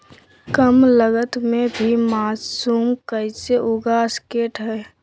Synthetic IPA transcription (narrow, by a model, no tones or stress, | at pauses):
kəmləɡət̪mẽbʱimaːsuːmkəiseʔʊɡaskeːʈɦɛː